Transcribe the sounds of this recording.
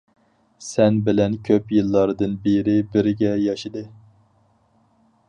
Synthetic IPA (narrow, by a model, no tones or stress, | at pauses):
sɛnbɪlɛnkʲʰøpjɨlˠːɑɾd̪ɨnbeɾɪbɪɾɪɡʲɛjɑʃid̪ɨ